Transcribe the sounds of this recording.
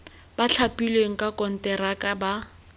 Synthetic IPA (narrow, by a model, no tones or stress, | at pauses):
bat͡ɬʰapilweŋ̩kʼakʼɔn̩tɛɾakʼaba